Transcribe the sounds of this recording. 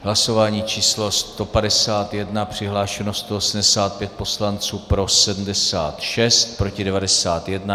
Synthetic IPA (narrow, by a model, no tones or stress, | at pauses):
ɦlaso̞vaːɲiːt͡ʃiːslo̞st̪o̞padɛsaːt̪jɛdnapr̝̥ɪɦlaːʃɛnost̪oosm̩dɛsaːt̪̚pjɛt̪̚po̞slant͡suːpɾo̞sɛdm̩dɛsa̰ːt̪ʃɛst̪̚pɾo̞cɪdɛvadɛsaːt̪jɛdna